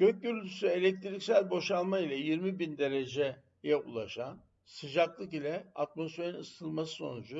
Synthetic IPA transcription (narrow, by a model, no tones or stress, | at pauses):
ɟ̥øc̚ɟyɾylʲʰysye̞lʲɛc̚t̪ʰiɾicsælʲbo̞ʃalˠmailʲɛjiɾmibind̪e̞ɾe̞d͡ʒɛ | jɛṵlˠaʃan | sɯd͡ʒaklˠɯkilʲɛa̰t̪̚mo̞sfe̞ɾinɯst̪ʰɯlˠmasɯ̥so̞̰nud͡ʒu